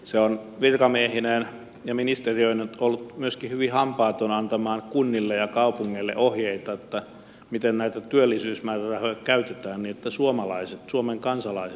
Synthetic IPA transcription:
seon | ʋirkɑmiehinen | jɑminist̪eriøinet̪olːut̪myøskihyʋihɑmpɑˑːt̪onɑnt̪ɑmɑːnkunːilːejɑkɑupuŋːelːḛʔohjeit̪ɑot̪ːæ | mit̪ennæit̪æt̪yølːisyːsmæːrærɑhøjɑkæyt̪et̪æːnniːet̪ːæsuomɑlɑiset̪suomeŋkɑnsɑlɑise

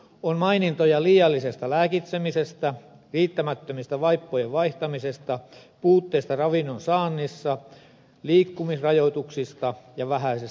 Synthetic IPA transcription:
onmɑinint̪ojɑliːjɑlːisest̪ɑlæːkit̪semisest̪æ | riːt̪ːæmæt̪ːømist̪æʋɑipːojeʋʋɑiht̪ɑmisest̪ɑpuːt̪ːeist̪ɑrɑʋinːonsɑːnːisːɑ | liːkːumisrɑjot̪uksist̪ɑjɑʋæhæises

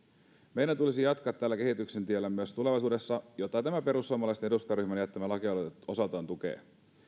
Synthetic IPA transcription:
me̞jɾænt̪ulisijɑt̪kɑt̪ːæːlːæk̟e̞ɦit̪ykse̞nt̪ielːæmyøst̪ule̞ʋɑjs̬uːdesːɑjot̪ːɑt̪æmæpe̞ɾusːuomːɑlɑjst̪enedust̪ɑɾyçmænjæt̪ːæmælɑkioo̞sɑlt̪ɑːnt̪ukḛː

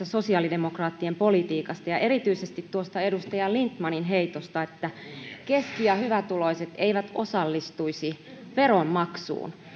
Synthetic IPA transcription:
æso̞siɑːlidemokrɑːt̪ːiempo̞lit̪iːkɑst̪ɑjɑʔe̞ɾit̪yisest̪it̪tuost̪ɑedust̪ɑjɑlint̪mɑninɦeit̪ost̪ɑet̪ːæke̞skiɑhyʋæt̪ulo̞iset̪eiʋæt̪osɑlːist̪uisi | ʋe̞rommɑksṵːn

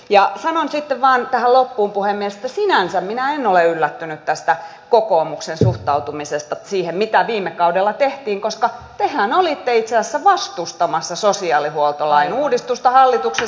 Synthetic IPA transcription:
jɑsɑnonsit̪ːeʋʋɑːnt̪æhællopːuːmpuhemmiesĕ̥t̪ːæsinænsæmminæenoleylːæt̪ːynyt̪t̪æst̪æ | kokoːmuksensuht̪ɑut̪umisest̪ɑsiːhemmit̪æʋiːmːekɑudelːɑt̪eht̪iːŋkoskɑt̪ehænolit̪ːeit̪sessːæʋɑst̪ust̪ɑmɑsːɑsosiɑːlihuolt̪olɑinuːdist̪ust̪ɑhɑlːit̪ukse

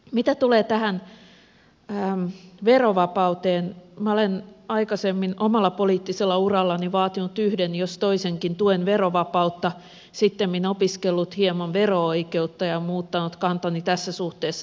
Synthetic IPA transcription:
mit̪æt̪uleːt̪æhæn | mʋeroʋɑpɑut̪eːnmæolenɑikɑsemːinomɑlːɑpoliːt̪ːiselːɑurɑlːɑniʋɑːt̪inut̪yhdenjost̪oiseŋkint̪uenʋeroʋɑpɑut̪ːɑ | sit̪ːemminopiskelːut̪hiemonʋerooikeut̪ːɑjɑmuːt̪ːɑnut̪kɑnt̪ɑnit̪æsːæsuht̪eːsːɑ

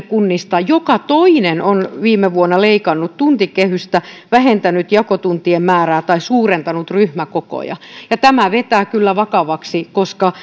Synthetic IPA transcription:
kunːist̪ɑjokɑt̪oinenonʋiːmeʋuonːɑleikɑnːut̪t̪unt̪ikehyst̪æʋæhent̪ænyt̪jɑkot̪unt̪iemmæːræːt̪ɑisuːrent̪ɑnut̪ryhmækoko̰jɑ̰jɑt̪æmæʋet̪æːkylːæʋɑkɑʋɑksikoskɑ

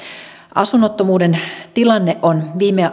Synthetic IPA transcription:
ʔɑ̰sunːot̪ːomuːdent̪ilɑnːeʔonʋiːme

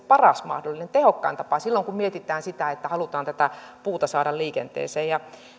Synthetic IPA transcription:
pɑrɑsmɑ̰hdolːˑinent̪ehokːɑint̪ɑpɑsilːoŋkummiet̪it̪ˑæːnsit̪æet̪ːæhɑlut̪ɑːnt̪æt̪æpuːt̪ɑsɑːɾɑlliːkḛnt̪ḛːseːjjɑ

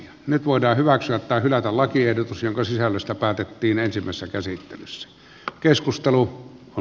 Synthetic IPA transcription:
ɑnyt̪ʋoˑedˑɑːhhyʋæksyæt̪tæːhylæt̪ællɑkiehdot̪usjoŋkɑsisælːøst̪æpæːt̪et̪ːiːnensimːˑæ̰ˑesesːækæsit̪ːḛlysːæ̥ | keskust̪eluo

